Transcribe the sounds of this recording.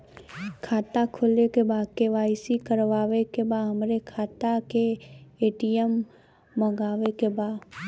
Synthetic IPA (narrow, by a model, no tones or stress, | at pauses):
kʰaːt̪akʰʊlekebaːkeʋaːɪsikəɾʋaːʋekebaːɦəmɾekʰaːt̪akeeːʈijəmː | ə̃ɡaːʋekebaː